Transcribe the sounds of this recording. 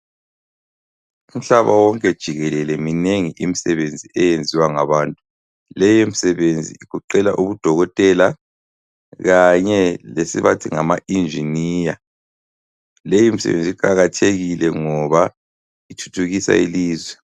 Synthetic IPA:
um̩ɬaβa̰wɔŋkʼɛd̥ʒ̥ʱiɣɛlɛlɛmineŋiʔimisɛβend͡zʱiɛjend͡zʱiwaŋaβaːntʼu | lɛjimisɛβend͡zʱḭikuǃɛlaʔuβud̥ʱɔɣɔtʼɛla | ɣaɲɛlesḭβa̰tʰiŋamaind͡ʒʱiniːja | lɛjim̩isɛ̰βḛnd͡zʱiikʼaɣatʰeɣilɛŋɔβa | itʰu̥tʰuɣisa̰iliːzwɛ

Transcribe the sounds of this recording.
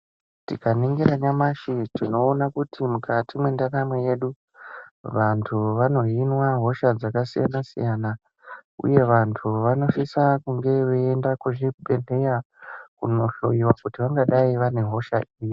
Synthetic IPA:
tikaniŋɡiɾaɲamaʃitino̞ːnakutʰimukʰatʰimwendanamweje̞ɗu | ʋantʰuʋano̞ɦinwaɦo̞ʃad͡zakasija̰nasḭjana | ṵje̞ʋantʰuʋano̞ʃasakuŋɡe̞ʋeendakuʐiɓe̞ɮe̞ja | kṵno̞ʃo̞jiwakutiʋaŋɡaɗaiʋane̞ɦo̞ʃaʔiːji

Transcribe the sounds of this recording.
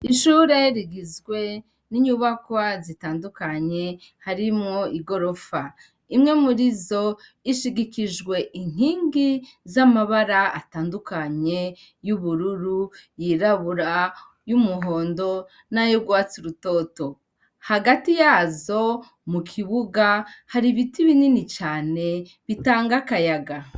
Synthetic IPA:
iʃuːɾe̞ɾiɡizɡwe̞ | niɲuːβakwazitaːndukaɲe̞ | haɾimŋo̞iɡo̞ɾo̞fa | imŋe̞muɾizo̞iʃiɡikiʒɡwe̞ʔin̥hiːŋɡi | zamaβaɾaːtaːndukaɲe̞ | juβuɾuɾujiɾaβuɾa | jumuɦo̞ːndo̞ | najoɡwaːt͡siɾuto̞ːto̞ | haɡatijaːzo̞ | mukʰiβuɡahaɾiβitiβininit͡ʃaːne̞ | βitaːŋɡakajaɡa

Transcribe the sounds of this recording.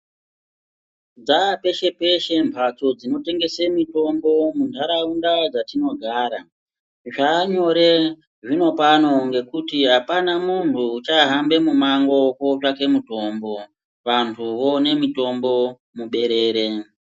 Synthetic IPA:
d͡zape̞ʃe̞pe̞ʃe̞mpʰat͡so̞d͡zino̞te̞ŋɡe̞semito̞mbo̞muntaɾaundad͡zatino̞ɡʱaːɾa | ʐaːɲo̞ɾe | ʐino̞pano̞ŋɡe̞kutiɦapanamun̤tuːt͡ʃaɦambe̞mumaŋɡo̞koʐake̞muto̞ːmbo̞ | ʋantʰuʋo̞ne̞mito̞mbo̞ | muɓe̞ɾe̞ːɾe̞

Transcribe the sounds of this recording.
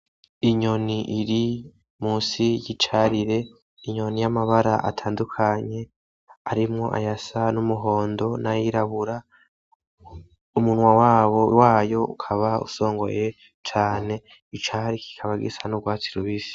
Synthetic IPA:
iɲo̞niʔiɾi | muːsijit͡ʃaɾiɾe̞ | iɲo̞nijamaβaɾa̰ʔa̰tʰaːndukʰaɲe̞ | aɾimŋo̞ʔa̰jasanumuɦo̞ːndo̞najiɾaβuɾa | umunwawaːβo̞waːjo̞ukʰaβaṵso̞ːŋɡo̞̰je̞ | t͡ʃaːne̞ | it͡ʃaɾikʰi̥kʰaβaɡḭsanubɡwaːt͡siɾuβisi̥

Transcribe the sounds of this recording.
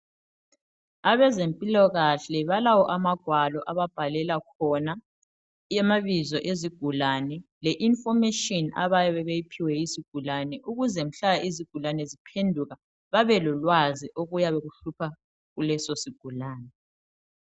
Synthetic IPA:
aβɛzempʼilɔɣaɬɛβalawɔʔamaɡ̥ʱwalɔʔaβab̥ʱalɛlakʰɔna | ɛmaβizɔʔeziɡ̥ʱulanɛ | lɛʔinfɔmeʃɔna̰βajɛβɛβejipʰiwɛjisiɡ̥ʱulanɛʔuɣuzɛm̩ɬaaʔiziɡ̥ʱulanɛzipʰendʱuɣa | βaβɛlɔlwaziʔoɣujaβeɣuɬupʰa | ɣulɛsosiɡ̥ʱulaːnɛ

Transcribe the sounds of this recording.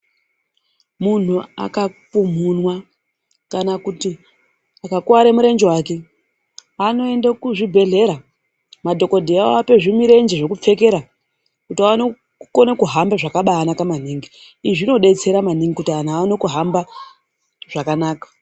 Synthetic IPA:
mun̤ua̰kapum̤unwa | kanakuti | akakuwaɾemuɾe̞nd͡ʒewaːke̞ | ano̞e̞ndakuʐibʱe̞ɮe̞ɾa | madʱo̞ko̞dʱiaoape̞ʐimiɾe̞nd͡ʒeʐe̞kup͡fe̞ke̞ɾa | kutaano | ko̞nekuɦambaʐakaɓaːnakaman̤iŋɡi | iʐino̞ɗe̞t͡se̞ɾamaniŋɡikutianaano̞kuɦamba | ʐ̥akanaːkḁ

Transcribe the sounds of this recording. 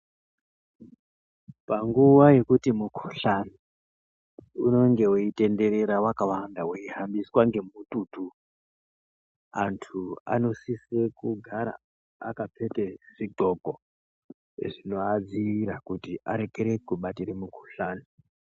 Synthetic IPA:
paŋɡuwaje̞kutimukʰoɬani | uno̞ŋɡe̞weite̞nde̞ɾe̞ɾawakawandawoiɦambiswaŋɡe̞mututu | antʰua̰no̞sisekuɡʱaɾa̰ː | kapʰe̞teʐ̥iɡ͡ǃo̞ɡʱo | eʐino̞ad͡ziiɾakutiʔa̰ɾe̞keɾekuɓatiɾemukʰo̥ɬaːni

